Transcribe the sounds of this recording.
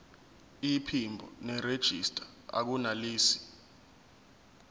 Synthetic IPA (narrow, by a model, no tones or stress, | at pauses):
ipʰimbʱɔ̰nɛred̥ʒ̥ʱistʼa | a̰k̬unaliːsi̥